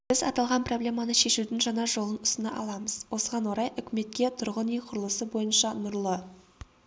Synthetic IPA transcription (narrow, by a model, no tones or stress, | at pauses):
b̥ɪzɑ̰t̪ɑlˠʁɑnpro̞blʲe̞mɑnəʃe̞ʃud̪ɪŋʒɑnɑʒo̞lˠənʊst̪ənɑʔɑ̰lˠɑməz̥wo̞səʁɑnwo̞ɾɑjʏkʲɪme̞t̪̚kʲe̞t̪ʰʊɾʁənijqʰʊɾəlˠəsəbo̞jənʃɑnʊɾlˠə